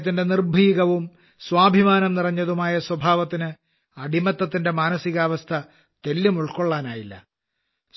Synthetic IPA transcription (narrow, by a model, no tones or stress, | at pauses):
t̪ːinde̞nirbʱiːɣɐʋum | swaːbʱimaːnɐmnirɐɲːɐðumaːjɐswɐbʱaːʋɐt̪ːinɨ | ɐɽimɐt̪ːɐt̪ːinde̞maːnɐsiɣaːʋɐst̪ʰɐ | t̪e̞lːumuɭko̞ɭːaːnaːjilːɐ̰